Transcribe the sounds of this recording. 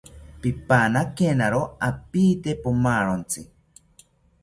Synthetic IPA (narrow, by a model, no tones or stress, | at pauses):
pipanakenaɾoapiːt̪epumaɾont͡si